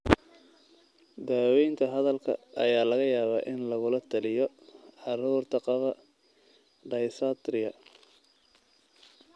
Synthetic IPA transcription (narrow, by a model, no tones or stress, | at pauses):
d̪aːwɛjnt̪ʰɐɦɐðɐlkʰɐ̰ʔɐ̰jaːlɐɣɐjaːβa̰ːʔɪnlɐɣʊlɐt̪ʰɐlɪjɔʕɑruːrt̪ʰɐqɑβɐ | ɖɐjsat̪rɪɐ